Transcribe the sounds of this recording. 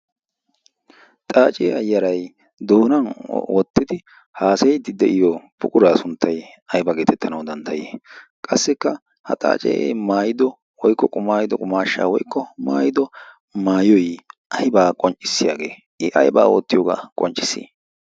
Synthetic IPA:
t̪ʼaːt͡ʃʼɛːɐjːɐɾɐj | d̪oːnɐnwɔt̪ːɪd̪ɪ | haːsɛjd̪ɪd̪ɛʔɪjɔpʊkʼʊɾaːsʊnt̪ːɐj | ɐjbɐɡeːt̪ʰɛt̪ʰːɐnɐwd̪ɐnt̪ʰːɐjḛːkʼɐsːɛkːɐ | hɐ̰t̪ʼa̰ːt͡ʃʼḛmaːjɪd̪ɔ | wɔjkːɔkʼʊmaːjɪd̪ɔkʼʊmaːʃːa̰ːwɔjkːɔmaːjɪd̪ɔ | maːjɔjʔɐjbaːkʼɔnt͡ʃʼːɪsːɪjaːɡe̞ː | ʔɪʔɐjba̰ːwɔ̰t̪ːɪjoːɡa̰kʼɔnt͡ʃʼːɪsːḭː

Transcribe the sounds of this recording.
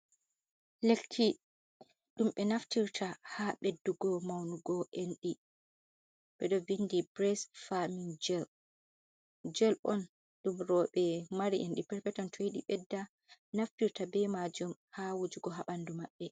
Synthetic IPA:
lekʰːi | ɗumɓɛnaftiɾtʰahaɓedːuɡɔmawnuɡɔʔenɗi | ɓɛɗɔvindibɾɛsfamind͡ʒɛl | d͡ʒɛlɔn | ɗumɾɔɓɛmaɾiʔenɗipɛɾpɛtɔntʰojiɗḭɓɛdːa | naftiɾtabɛmad͡ʒumhawud͡ʒuɡɔɦaɓandumaɓːɛ

